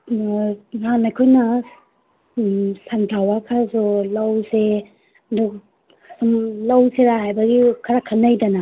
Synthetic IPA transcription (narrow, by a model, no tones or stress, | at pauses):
nanajkʰojna | santʰawakʰazolawse | du | sumlawseɾaɦajbɐɡikʰaɾakʰanːajdana